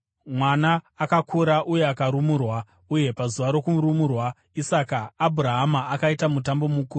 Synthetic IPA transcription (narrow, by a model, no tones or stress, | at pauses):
mwanaːkakʰuɾaʔuje̞akaɾumurwa | uje̞pazuʋaɾo̞kuɾumurwa | isakaːbʱuraɦamaːkaitamutambo̞mukuːru